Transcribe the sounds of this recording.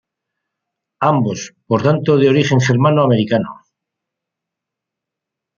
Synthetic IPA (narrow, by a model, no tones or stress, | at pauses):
ambo̞spoɾt̪ant̪oð̞eo̞ɾiχe̞ŋχeɾmanoameɾikano̰